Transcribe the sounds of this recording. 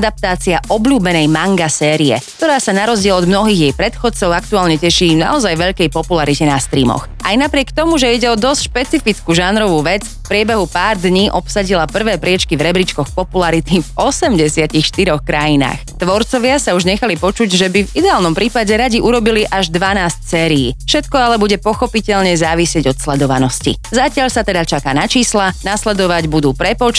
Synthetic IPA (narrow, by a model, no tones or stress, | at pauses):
d̪ap̚t̪aːt͡siaʔɔbʎuːbɛnɛjmaŋɡasɛːɾiɛ̰k̚t̪ɔɾaːsanaɾɔzɟɪɛlɔd̪mnɔɦiːɣjɛjpɾɛt̪xɔt͡sɔʊakt̪uaːlɲɛcɛʃiːmna̰ɔzajʋɛʎkɛjpɔpulaɾicɛnast̪ɾḭːmɔ̰xʔajnapɾɪɛkt̪ɔmuʒɛiɟɛɔd̪ɔscʃpɛt͡sifit͡skuʒanɾɔʋuːʋɛd͡z | fpɾɪɛbɛɦupaːɾd̪ɲiʔɔpsaɟilapr̩ʋɛːpɾɪɛt͡ʃkivɾɛbɾit͡ʃkɔxpɔpulaɾit̪ivɔsɛmɟɛsɪacixʃt̪iɾɔxkɾajina̰ːxt̪ʋɔɾt͡sɔʋɪasauʒɲɛxalipɔt͡ʃuɟʒɛbivid̪ɛaːlnɔmpɾʔiːpaɟɛɾaɟiʔuɾɔbiliʔaʒd̪ʋanaːscsɛːɾḭːfʃɛt̪kɔalɛbuɟɛpɔxɔpicɛʎɲɛzaːʋisɪɛɟɔt̪slɛd̪ɔʋanɔscḭzacɪaʎsat̪ɛd̪at͡ʃakaːnat͡ʃiːslanaslɛd̪ɔʋaɟbud̪uːpɾɛpɔt͡ʃ